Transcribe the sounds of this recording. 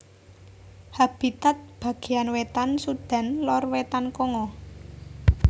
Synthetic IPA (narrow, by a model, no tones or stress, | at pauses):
hab̥i̤t̪at̪̚b̥ä̤ɡ̥e̤anwet̪ansud̪̥a̤nlɔrwet̪ankɔŋɔ